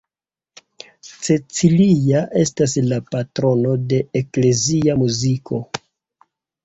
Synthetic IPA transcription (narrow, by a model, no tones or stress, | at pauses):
t͡se̞t͡siliaʔe̞staslapatɾo̞no̞de̞ekle̞ziamuzikʰo̞